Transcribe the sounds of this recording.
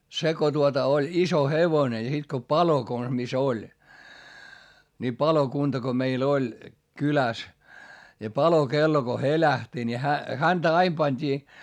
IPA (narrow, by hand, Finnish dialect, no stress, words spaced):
se ko tuotɑ olʲ iso heʋone jɑ sit ko pɑlo kons mis olʲ ni pɑlokuntɑ ko meil olʲ kylæs jɑ pɑlokelːo ko helæhti ni hæ hæntæ ɑim pɑnʲd̥iː